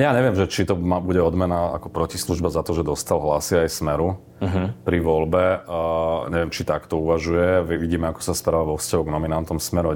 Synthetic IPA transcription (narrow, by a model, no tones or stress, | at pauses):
jaːɲɛʋɪɛmʒɛt͡ʃit̪ɔmabuɟɛɔd̪mɛnaa̰kɔpɾɔcisluʒbazat̪ɔʒɛd̪ɔst̪alɦlasiajsmɛɾu | ɦpɾiʋɔlbɛ | ɲɛʋɛmt͡ʃit̪akt̪ɔuʋaʒujɛʋʋiɟiːmɛakɔ̥saspɾaʋaʋɔfscaɦɔɡnɔminant̪ɔmsmɛɾɔ